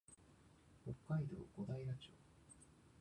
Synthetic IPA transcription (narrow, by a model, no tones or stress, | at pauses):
hokːaid̪o̰ːɡ̥o̞d̪aiɾat͡ɕoː